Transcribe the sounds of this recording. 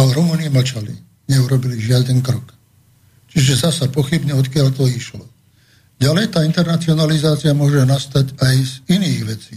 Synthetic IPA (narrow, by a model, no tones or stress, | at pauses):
alɛɾumuːniɛml̩t͡ʃalḭ | ɲɛuɾɔbiliʒɪad̪ɛnkɾɔk | t͡ʃiʒɛzasapɔxibɲɛɔt̪kɪaʎt̪ɔiʃlɔ | ɟalɛjt̪aːint̪ɛɾnat͡siɔnalizaːt͡siamʊɔʒɛnast̪acajziniːɣʋɛt͡siː